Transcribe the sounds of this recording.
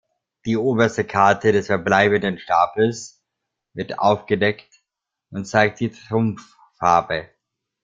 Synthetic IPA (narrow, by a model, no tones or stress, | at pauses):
d̥iːʔoːbɐstəkʰaɐtʰədɛsfɛɐblaɪbən̩dənʃtaːpl̩s | vɪɐta̰ʊfɡ̥ədɛkt | ʔʊntt͡saɪk̚t̚d̥iːtʁ̥ʊmfː | aɐbə